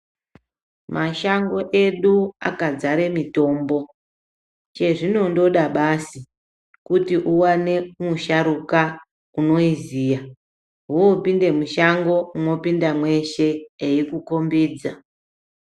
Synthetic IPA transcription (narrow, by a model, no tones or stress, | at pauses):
maʃaŋɡo̞ʔeɗua̰kad͡zaɾe̞mito̞ːmbo̞ | t͡ʃe̞ʐino̞ndo̞ɗaɓasi | kutiʔuwane̞muʃaɾuka | uno̞izija | ɦuopinde̞muʃaŋɡo̞uno̞pindamwe̞ʃe̞ːikuko̞mbiːd͡za